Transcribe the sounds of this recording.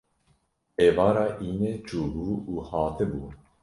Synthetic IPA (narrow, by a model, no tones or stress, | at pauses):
eːvɑːɾɑːʔiːneːt͡ʃʰuːbuːuːhɑːt̪ʰɨbuː